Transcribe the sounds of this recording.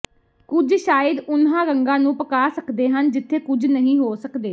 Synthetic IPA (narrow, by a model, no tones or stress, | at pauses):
kʊd͡ʒʃaːjəd̪ʊnɦãːɡəŋɡãːnũːpəkaːsəkd̪eːɦənd͡ʒɪt̪ʰːeːkʊd͡ʒʱnəɦĩːɦoːsəkd̪eː